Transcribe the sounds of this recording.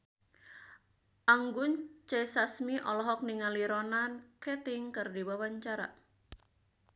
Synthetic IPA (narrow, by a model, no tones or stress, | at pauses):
ʔaŋɡʊnt͡ʃɛsasmiʔɔlɔɦɔk̚niŋaliɾɔnankɛt̪iɪŋkɨrdibawaɲt͡ʃaɾa̰